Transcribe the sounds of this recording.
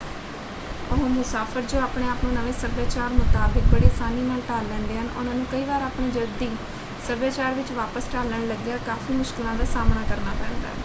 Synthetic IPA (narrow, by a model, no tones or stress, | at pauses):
əɦõːmʊsaːfʰəɾd͡ʒoːaːpɳeːaːpnõːnəʋeːsəɾbeːt͡ʃaːɾmʊt̪aːbɪk̚bəɽeːsaːniːnaːlʈaːlːɛ̃ːnd̪eːɦənʊ̰nãːnũːkəiːʋaːɾaːpɳiːd͡ʒəld̪iː | səɾbeːt͡ʃaːɾʋɪt͡ʃʋaːpəsʈaːlːəɳləɡjaːkaːfiːmʊʃkɪlãːd̪aːsaːmnaːkəɾnaːpɛ̃ːnd̪a̰ː